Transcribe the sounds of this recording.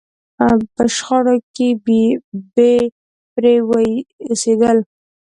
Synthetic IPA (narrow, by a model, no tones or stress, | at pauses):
pəʃxəɽoke | be | pɾewsed̪əl